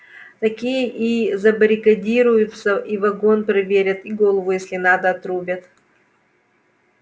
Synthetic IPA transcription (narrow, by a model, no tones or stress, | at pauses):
t̪ɐkʲijəʔizɐbəɾʲɪkɐdʲiɾʊjʊt̪səʔivɐɡo̞npɾɐvʲeɾʲɐt̪iɡo̞lˠəvʊjesʲlʲɪnad̪əːt̪ɾubʲɐt̪